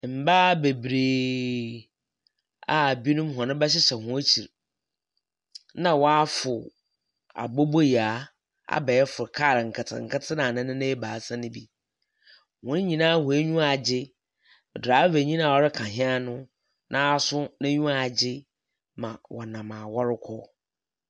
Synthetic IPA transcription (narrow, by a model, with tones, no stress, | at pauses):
m̩˨baː˦be˨bɾeː˨ | a˨bi˦nʊ̃˦mɦɔ̃˨nʊ̃˦bɛ˦ɕ̬ɪ˦ɕɛ˨hʊ̃˦t͡ɕʰi˨ɾ | nã˦wɔ˦a˦fʊ˨ | a̰˨bo˦bo˦ji˨a˨ | a̰˦˨bɛ˨jɛ˦fʊ˨ɾkʰaː˦˨ɾɪ˨ŋ̩˨kʰɪ˨tʰɪ̰̃˨ŋ̩˨kʰɪ˦tʰɪ˦nã˨nɪ̃˦nɪ̃˦nɪ̃˦ɛ˦baː˨˦sã˦nɪ̃˦bi˦ | wʊ̃˦n˦ɲĩ˨nãː˦hʊ̃˨e˦ɲũ˦a˨d͡ʑɪ˦˨ | dɾaː˨˦ve˨ɲĩ˦nã˨ɔ˨ɾɪ˦kʰã˨ɦɪ̃˦a˦nʊ̃˦ | nʔã˦a˦˨sʊ˦nã˦ɲũ˦a˨d͡ʑɪ˦ | mã˨wɔ˨nã˨mã˨wɔ˦ɾɪ˦kʰɔ˦